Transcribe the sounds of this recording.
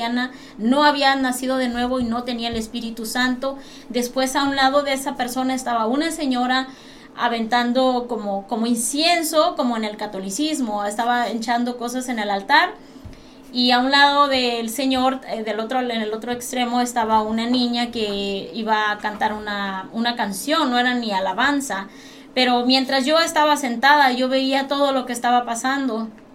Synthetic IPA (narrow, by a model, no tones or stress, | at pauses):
ana | no̞aβianasið̞o̞ðe̞nwe̞βo̞ino̞t̪e̞niaelespiɾit̪usant̪o̞ | d̪e̞spwe̞saunlað̞o̞ðeesape̞ɾso̞naest̪aβaunase̞ɲo̞ɾa | a̰βe̞nt̪and̪o̞komoko̞mo̞insje̞nso̞ko̞moene̞lkat̪o̞lisizmo̞est̪aβaent͡ʃand̪o̞ko̞sase̞ne̞lalt̪aɾ | iaunlaðo̞ðe̞lse̞ɲo̞ɾeðe̞lot̪ɾoenelo̞t̪ɾoekst̪ɾe̞mo̞e̞st̪aβaunanĩɲake̞iβakant̪aɾunaunakansjo̞nːo̞e̞ɾanialaβansa | pe̞ɾo̞mje̞nt̪ɾazʝo̞est̪aβase̞nt̪aðaʝo̞βe̞iat̪o̞ð̞o̞lo̞keːst̪aβapasand̪o̞